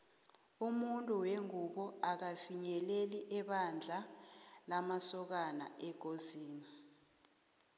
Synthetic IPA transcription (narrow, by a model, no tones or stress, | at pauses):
umuntʼuweŋuɓɔak̬afiɲɛleliʔɛɓand͡ɮʱalamasɔk̬ana̰ɛɡ̥ʱoziːni